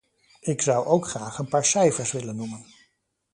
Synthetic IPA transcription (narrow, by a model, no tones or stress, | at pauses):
ɪksʌwʔowkχraːχənpaːɹsɛjfəɹsʋɪlənːumən